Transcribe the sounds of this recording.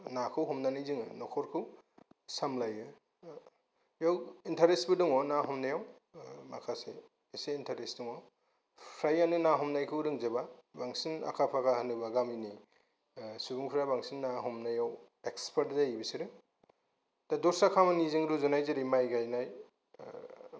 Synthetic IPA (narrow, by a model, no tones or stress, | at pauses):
nakʰɯwɦɔmnanijzɯŋɯnɔkʰɔɾkʰɯ | samlajɯ | jawintʰaɾesbɯduŋɔnaɦɔmnajaw | makʰaseː | seintʰaɾesduŋɔ | pʰɾajanɯnaɦɔmnajkʰɯɾɯŋzebabaŋsina̰kʰapʰakʰahanɯbaɡamini | subuŋpʰɾabaŋsinːaɦɔmnajaw | ekspʰaɾtdaibisiɾɯ | dadɔɾsakʰamanizɯŋɾuzɔnajzeɾimajɡajnaj